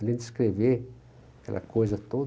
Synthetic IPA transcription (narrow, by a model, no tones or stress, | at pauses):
lend̪skɾeve | kelʔa̰kozat̪o